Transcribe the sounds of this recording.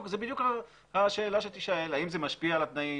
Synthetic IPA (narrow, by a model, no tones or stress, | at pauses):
kzebid̪juka | haʃe̞ːlaʃet̪iʃaelaimzemaʃpialat̪nai